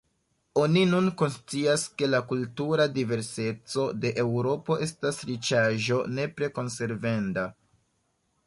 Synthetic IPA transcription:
o̞ninunko̞nst͡siaske̞lakultuɾadive̞ɾse̞t͡so̞de̞ʔe̞wɾo̞po̞ʔe̞stasɾit͡ʃaʒo̞ne̞pɾe̞ko̞nse̞ɾve̞nda

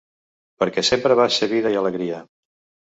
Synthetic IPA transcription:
pəɾkɛsempɾəβasəɣiðəjələɣɾiə

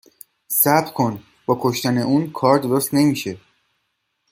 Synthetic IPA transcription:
sæb̪̚kʰo̞n | b̥ɒːkʰoʃt̪æne̞ʔuːnkʰɒːɾd̪o̞ɾost̪ne̞miːʃe̞

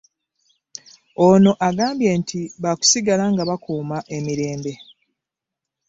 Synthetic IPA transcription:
ono̞ʔaɡaːmbje̞ːntʰiβaku̥siɡalaŋɡaβakuːmaʔe̞miɾe̞ːmbe̞

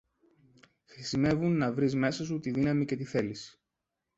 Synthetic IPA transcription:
xɾisime̞vunːɐvɾizme̞sɐsut̪iðinɐmice̞t̪iθe̞lisi̥

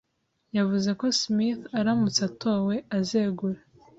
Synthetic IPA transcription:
javuze̞ko̞smiθaɾamut͡sato̞we̞azeɡuɾe

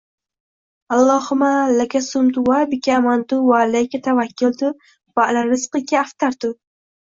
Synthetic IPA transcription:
alˠːɑːhʊmalakʲasʊmt̪ʊwabɪkʲʰamant̪ʊwalakʲat̪ʰavakʲːɪlt̪ʊ | valaɾɪsqɨkʲaːft̪aɾt̪ʊ

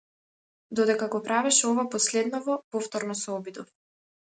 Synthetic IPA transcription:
d̪ɔd̪ɛkaɡɔpɾavɛʃɛɔvapɔslɛd̪nɔvɔpɔft̪ɔɾnɔsɛɔbid̪ɔf

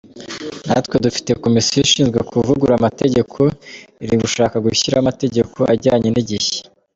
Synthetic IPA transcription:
na̰twe̞dufi̥te̞ko̞misjojiʃiːnzɡwe̞kʰuvuɡuɾamate̞ɟe̞kʰo̞iɾiɡuʃaːkaɡuçiɾamate̞ɟe̞ko̞ʔaɾɟaːɲeniɟiçe̥

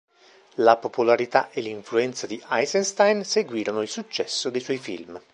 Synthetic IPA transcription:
lapopolaɾit̪aʔelːiɱfluɛnt̪sad̪iʔajsenst̪ajnseɡwiːɾonoilsut͡ʃːɛsːod̪ejswɔjfḭlm

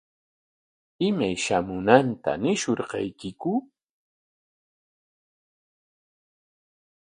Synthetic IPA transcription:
ɪmajʃamʊnant̪a̰nɪʃoɾqɑ̰jkɪkʊ

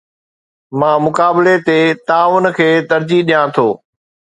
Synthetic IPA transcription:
mãːmʊkaːbɪlet̪et̪aːʊnəkʰeːt̪ɐɾd͡ʑiɗijãːt̪ʰoː

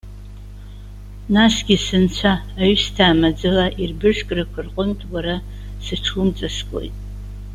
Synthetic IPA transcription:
nasɡʲisɨnt͡ɕʷʰaːɥstʰaːmad͡zɨlaʔirbɨʂkʼrakʷʰarqʷʼʊmtʼwaɾa | sɨʈ͡ʂʰumt͡sʼaskʷʼo̞̰jtʼ

